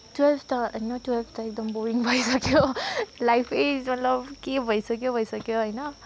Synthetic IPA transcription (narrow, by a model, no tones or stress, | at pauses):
twelbʰʱtaʌjnatwelbʰʱtaek̚d̪ʌmbuɾiŋbʱʌjsakijolajpʰed͡ʒmʌtlʌbkebʱʌjsakjobʱʌjsakjoɦʌjna